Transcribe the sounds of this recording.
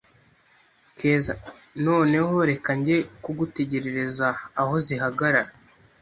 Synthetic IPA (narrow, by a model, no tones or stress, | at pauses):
keːza | no̞ːne̞ɦo̞ɾe̞kaɲɟe̞kuɡute̞ɟe̞ɾe̞ɾezaːho̞ziɦaɡaɾaɾa